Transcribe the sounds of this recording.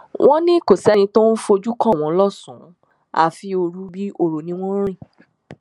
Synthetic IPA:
w̃ʔɔ̃˦nĩ˦˨ko˨sɛ˦ñĩ˧to˦n̩˦fo˧d͡ʒu˦kɔ̃˦˨w̃ɔ̃˨˦lɔ˦˨sũ˨˦ | a̰˦˨fi˧o˧ɾu˦bi˦o˧ɾo˨nĩ˨˦w̃ɔ̃˦ɾ̃ĩ˦˨

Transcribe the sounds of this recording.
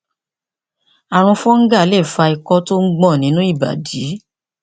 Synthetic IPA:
a˨ɾ̃ũ˧fɔ̃˦ŋ̩˦ɡa˦˨˦lɛ˦˨fa˧i˧kɔ˧to˦ŋ̩˦ɡ͡bɔ̃˦˨nĩ˨˦nũ˦i˦˨ba̰˨diː˨˦

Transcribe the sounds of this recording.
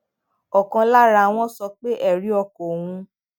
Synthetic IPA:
ɔ˨kã˧la˦ɾa˧w̃ɔ̃˦sɔ˧k͡pe˦ʔɛ˦˨ɾi˨˦ɔ˧kɔ˨wũ˧

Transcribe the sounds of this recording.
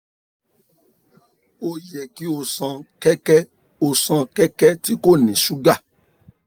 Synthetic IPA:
o˧jɛ˨ki˦o˧˨sã˧kɛ˦kɛ˦ | o˨sã˧kɛ˦kɛ˦ti˦ko˦˨nĩ˨su˦ɡa˦˨

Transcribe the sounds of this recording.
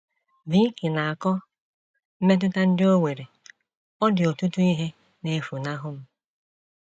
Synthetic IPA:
vi˦ŋ̩˦kɪ˨na˨a˨kɔ˦ | m̩˦me˦t̬ʊ˦ta˦n̩˦dɪ˦o˦ŋʷe˨ɾe˨ | ɔ˦dɪ˨o˨tu˦tu˦i˦ɦe˦ | ne˦fu˨na˦ɦʊ˦m̩˦

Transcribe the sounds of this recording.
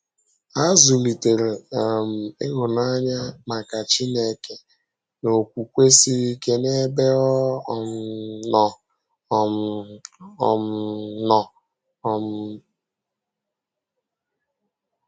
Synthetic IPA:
a˦zu˨li˨te˨ɾe˨m̩˨e˦ɣʊ˨na˦ɲa˦ma˨ka˨t͡ʃi˦ne˦˨ke˦ | no˨kʷu˨kʷe˦si˦ɾi˦ke˦ne˦be˦ɔ˦˨m˨nɔ˨ | ɔ˨m̰˨ | m̩˨nɔ˨ | ɔ˨m˨

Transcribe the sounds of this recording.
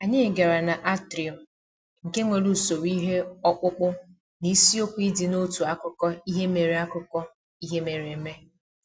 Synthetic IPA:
a˨ɲɪ˦˨ɡe˨ɾa˨na˨ʔa˦tɾi˨ɔ˨ | ŋ̩˨ke˦ŋʷe˨ɾu˨so˨wi˦ɦe˦ɔ˦k͡pʊ˦k͡pʊ˦ | ni˦si˦o˦kʷi˦dɪ˨no˦tu˨a˦kʊ˦kɔ˦i˦ɦe˦me˨ɾe˨˦a˦kʊ˦kɔ˦ | i˦ɦe˦me˨ɾe˨˦me˦

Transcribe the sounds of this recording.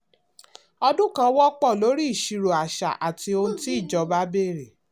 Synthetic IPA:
ɔ˧dũ˦kã˦wɔ˦k͡pɔ˦˨lo˨˦ɾi˦˨ʃi˧ɾo˨a˨ʃa̰˨ʔa˨ti˧o˧nũ˦ti˦i˦˨d͡ʒɔ˨˦ba˦be˦˨ɾe˨

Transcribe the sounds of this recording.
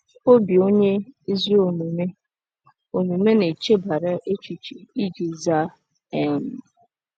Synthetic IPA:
o˦bi˨o˦ɲe˦i˦zi˦o˨mu˨me˦ | o˨nu˨me˦ne˨t͡ʃe˦ba˨ɾa˦ʔe˦t͡ʃi˨t͡ʃi˨i˦d͡ʒi˨za˦ | ɛ˦˨n̩˨

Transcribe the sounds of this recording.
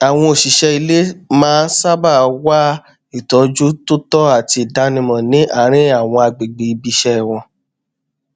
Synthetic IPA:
a˨w̃ɔ̃˧o˨ʃi˨ʃɛ˧i˧le˦mãː˦sa˦ba˦˨˧wa˦ | i˦˨tɔ˨˦d͡ʒu˦to˦tɔ˦a˦˨ti˧i˨da˧nĩ˧mɔ̃˨nĩ˨˦ʔa˦˨˦ɾ̃ĩ˦a˦˨w̃ɔ̃˧a˧ɡ͡be˨ɡ͡be˨i˧bi˧ʃɛ˦˨w̃ɔ̃˧

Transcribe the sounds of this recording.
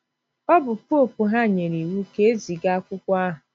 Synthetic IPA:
ɔ˦bʊ˨pʊ˦o˨pu˨ɦa˦˨ɲe˨ɾi˨wu˦ke˦e˦zi˨ɡa˦a˦kʷʊ˦kʷa˦ɦʊ˨

